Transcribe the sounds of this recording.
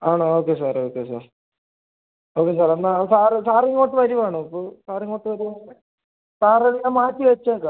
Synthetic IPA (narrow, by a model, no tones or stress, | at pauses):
aːɳooːkːesaːroːkːes̬a̰ːr | oːkːes̬aːɾɐnːasaːrɨsaːriŋːoːʈːɨʋɐɾuʋaːɳoɐpːosaːriŋːoʈːɨʋɐɾuʋae | saːrɐɽinamaːtːiʋet͡ɕːaka